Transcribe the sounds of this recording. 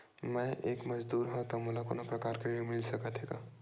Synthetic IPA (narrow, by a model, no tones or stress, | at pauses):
mə̃ʔeːkməd͡ʒd̪uɾɦɔ̃t̪ɔmulako̰nopɾəkaɾkeɾiomilsəkət̪ʰeka